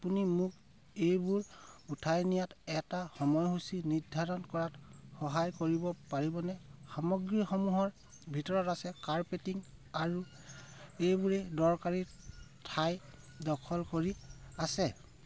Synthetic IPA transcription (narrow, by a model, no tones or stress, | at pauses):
apunimuk | ejbuɹutʰajnijatɛtaxɔmɔjɦusinidʱaɹɔnkɔɹatxɔɦajkoɹibɔpaɹibɔnɛxamɔɡɹixɔmuɦɔɹ | bʱitɔɹɔtasɛkaɹpetiŋaɹu | ejbuɹɛdɔɹkaɹi | tʰaj | dɔkʰɔlkoɹiasɛ